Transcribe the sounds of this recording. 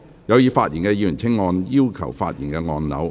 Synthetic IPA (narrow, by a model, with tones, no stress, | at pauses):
jɐ˨˧wjiː˨˧faː˧t̚jiː˨˩nkɛː˧jːyː˨˩nt͡sʰɪ˥ŋːɔː˧njiː˥wkʰɐ˨˩wfa̰ː˧t̚jiː˨˩nkɛː˧ŋɔː˧nnɐ̰˨˥w